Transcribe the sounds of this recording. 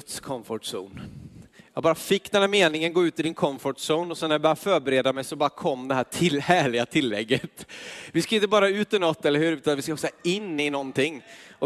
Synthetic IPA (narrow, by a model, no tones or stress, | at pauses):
t̪skʰɔmfɔʈsṵːnjjɑːɡbɑːɾafɪkːd̪ɛnhæɾmeːnɪŋənɡoːʉ̟ːt̪ɪd̪ɪnkʰɔmfɔʈsuːnɔsɛnːæɾjɪbœːɾafœːɾbɛɾeːd̪amɛjsɔbɑːɾakʰɔmːd̪ɛɦæːt̪ʰɪlhæːɭɪɡat̪ʰɪlːɛɡːət̪vɪskaɪnt̪əbɑːɾaʉ̟ːt̪ɪnɔt̪ːɛlːəɾhʉːɾʉ̟ːt̪anvɪskaɔksɔɪnːɪnɔnt̪ɪŋːɔ